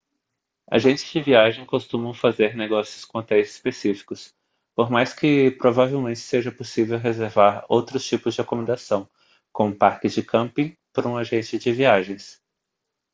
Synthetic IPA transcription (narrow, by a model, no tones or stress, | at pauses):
a̰ʒẽnt͡ʃɪ̥z̥d͡ʒɪviaʒẽj̃kost̪ũmɐ̃w̃fazeɾneɡɔsijʊskõt̪ɛzɪ̥spesifi̥kʊs | poɾmajskɪpɾovavewmẽnt͡ʃɪ̥seʒɐposivewɦezeɾvaɾo̰wt̪ɾʊst͡ʃipʊzd͡ʒɪakomẽd̪asɐ̃w̃ | kõmʊpaɾkɪzd͡ʒɪkʰɐ̃mpĩpɾɐũaʒẽnt͡ʃɪd͡ʒɪviaʒẽj̃s